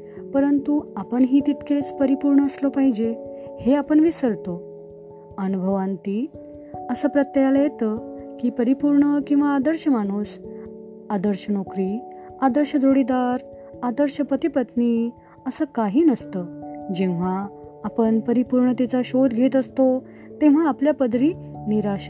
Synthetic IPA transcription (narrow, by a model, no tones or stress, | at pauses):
pəɾənt̪uapəɳɦiːt̪it̪kʰet͡spəɾipuɾɳəːslɔpaɦid͡ʑeheapəɳʋisəɾt̪o | ənubʱəʋãnt̪i | əsəːpɾət̪jəjalajet̪əkiːpəɾipuɾɳəkĩw̃ʋaːd̪əɾɕəmaɽ̃uːs | ad̪əɾɕənokɾi | ad̪əɾɕəd͡zoɽid̪aɾ | ad̪əɾɕəpət̪ipət̪ni | əsəːkaɦiːnəst̪əːd͡ʑẽʋ̤aː | pəɳpəɾipuɾɳət̪et͡saɕod̪ɡʱet̪əst̪o | t̪ẽʋ̤aːpljapəd̪ɾiniɾaɕa